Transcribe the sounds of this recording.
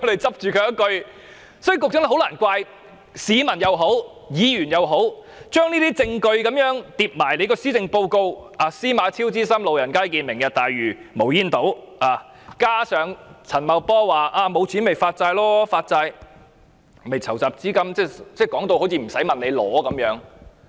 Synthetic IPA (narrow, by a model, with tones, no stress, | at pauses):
kʰt̪e˨˩jt͡sɐ˥p̚t͡ʃyː˨kʰɵ˨˧˥jɐ˥kɵ˧ɥ | sɔː˨˥y˨˩kʊ˨k̚t͡sʊ˧˥ŋ˥˩ɦo˧˥wlaː˨˩nkʷaː˧j | siː˨˧mɐ˨˩njɐ˨˧wɦo˨˥w | jiː˨˧jyː˨˩njɐ˨˧wɦo˨˥w | t͡ʃœː˥ŋniː˥t̪iː˥t͡sɪ˧ŋkɵ˧ɥkɐ˨˧˥mjœː˨˥ŋt̪iː˧p̚maː˨˩jle˨˧jkɔː˧siː˥t͡sɪ˧ŋpo˧wko˧waː˨˧siː˥maː˨˧˥t͡sʰiː˥wt͡siː˥sɐ˥mlo˨wjɐ˨˩nkaː˥jkiː˧nmɪ˨˩ŋjɐ˨˩t̚t̪aː˨jɥyː˨˩mo˨˩wjiː˧˥nt̪o˨˥waː˨˩ | kaː˥sœː˨˧ŋt͡sʰɐ˨˩nmɐ˨˧wpɔː˥waː˨ʔaː˧mo˨˧wt͡sʰiː˨˥nme˨jfaː˧t̚t͡saː˧jlɔː˥faː˧t̚t͡sa˧j | me˨jt͡sʰɐ˨˩wt͡saː˨p̚t͡siː˥kɐ˥mt͡sɛː˥˩t͡sɛː˥˩kɔː˨˥ŋt̪o˧who˨˥wt͡sʰiː˧˩m̩˨˩sɐ˨˥jmɐ˨nle˨˧lɔ̰ː˨˥kɐ˨˧˥mjœː˨˥ŋ